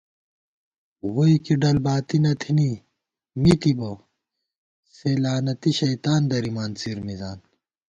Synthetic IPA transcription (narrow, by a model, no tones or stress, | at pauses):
woikiɖɐlbaːt̪inɐt̪ʰini | mit̪ibo | seːlaːnɐt̪iɕɐit̪aːnd̪ɐɾimaːnt͡siɾmizaːn